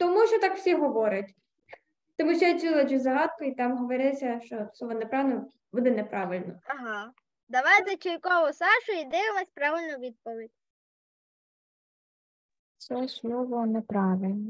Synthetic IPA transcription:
t̪ɔmuʃt͡ʃɔt̪ɑkw̥sʲiɦɔʋɔɾʲɐtʲ | t̪ɔmuʃt͡ʃɛt͡sʲilˠɐd͡ʒʲizɐɦɑt̪̚kʊit̪ɑmɦɔʋɔɾʲɪsʲɐʃt͡ʃɔsˠɔʋɔnɛpɾɑʋlʲnɔ | ʋɔd̪ɪnɛpɾʔɑʋɪlʲnɔɐɦɑ | d̪ɐʋɑjzɐt͡ʃɪjkɔʋʊsɑʃʊid̪ɪɪʋˠɑsʲpɾɑʋɪlʲnɔʋʲid̪̚pɔʋʲidʲ | sɛʃlɔʋɔnɛpɾɑʋɪlʲnɔ

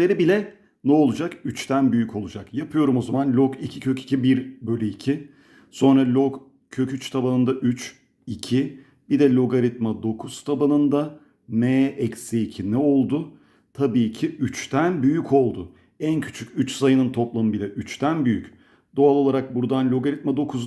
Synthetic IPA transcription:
eɾibilʲɛ | nɛo̞lˠud͡ʒakyt͡ʃt̪ʰænbyjycʰo̞lˠud͡ʒakjapʰɯjo̞ɾumo̞zamanlʲokicʰicʰø̞ci̥cʰibiɾbølʲyicʰi | so̞nɾalʲok | cʰøcʰyt͡ʃt̪ʰabanɯnd̪aʔyt͡ʃ | icʰi | bid̪ɛlʲo̞ɡaɾit̪mad̪o̞kʰuz̥t̪ʰabanɯnd̪a | mɛɛcsiːcʰinɛo̞lˠd̪ʊ | t̪ʰabiːcʰiyt͡ʃt̪ʰænbyjycʰo̞lˠd̪ʊ | æncʰy̥t͡ʃʰycʲyt͡ʃsajɯnɯnt̪ʰo̞plˠamɯbilʲɛʔyt͡ʃt̪ʰænbyjyc | d̪̥oalˠo̞lˠaɾak̚buɾd̪anlʲo̞ɡaɾit̪mad̪o̞kʰuz

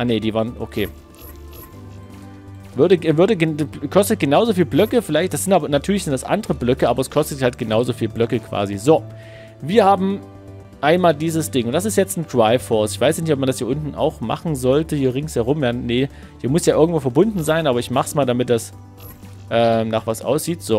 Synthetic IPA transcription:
ʔanediːvaːɐnʔo̰kʰeː | vʏɐdəɡvʏɐdəɡkʰɔstət̚ɡ̥ənaʊzofiːlblœkəfɪlaɪçt̚d̥asz̥ɪntaːbɐnatʰyːɐlɪçz̥ɪntdasʔa̰ndəʁəblœkəʔaːbɐɛskʰɔstəthalt̚ɡ̥ənaʊzoːfiːlblœkəkʰv̥a̰ːzizoː | viːɐhaːbm̩ | ʔaɪnmaːldiːzəsd̥ɪŋʊntd̥as̬ɪstjɛt͡stn̩dʁaɪfɔɐstɪçv̥aɪsjanɪçtʔɔpmandashiːɐʔʊntn̩ʔa̰ʊxma̰χn̩zɔltəhiːɐʁɪŋshɛɐʁ̞ʊmjaːne | hiːɐmʊsjaːʔɪɐɡŋtv̥oːfɛɐbʊndn̩zaɪnʔaːbɐɪçmaχsmaːldamɪt̚d̥as | ʔɛːmnaːχv̥asʔa̰ʊsz̥iːtz̥oː

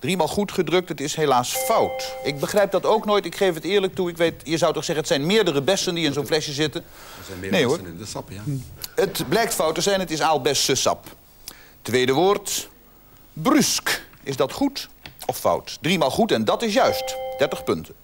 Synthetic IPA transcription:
d̥rimaːlˠχutχədrɵk̚tɦətɪsɦelaːsfʌwtɪɡ̚bəχrɛjp̚dɑtowknoːjtɪkχejfɦətɪːɹlək̚tuɪkʋejtjəzʌwtɔχsɛχənətsɛjnmɪːɹdərəbɛsəndiɪnzonflɛʃjəzɪtə | nejosp | ətblɛjk̚tfʌwtəzɛjnɦətɪsaːlˠbɛstəsɑ̰p | tʋejdəʋʊːɹt | bryskɪzdɑtχutɔfʌ̰wtdrimaːlˠχutɛndɑtɪs̬jœɥstd̥ɛɹtəχpɵntə

